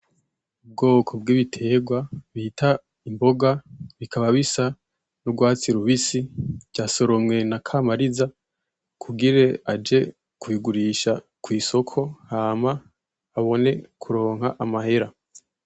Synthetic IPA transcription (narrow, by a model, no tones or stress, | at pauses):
ub̚ɡo̞ːkʰob̚ɡiːβitʰe̞ːɡwaβitʰa | imbo̞ɡaβikʰaβaβisa | nuɡwaːt͡siɾuβisiɟɟaːso̞ɾomŋe̞nakʰamaɾiza | kʰuɡiɾe̞ad͡ʒe̞ | kuiɡuɾiʃa | kwiːso̞kʰo̞haːmaː | βo̞ne̞kʰuɾo̞ːŋɦaʔamahe̞ɾa